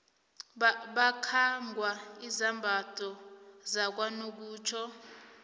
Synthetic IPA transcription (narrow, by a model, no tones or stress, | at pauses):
ɓakʰaŋɡʱwaizambʱatʼɔzak̬wanok̬uːt͡ʃʰɔ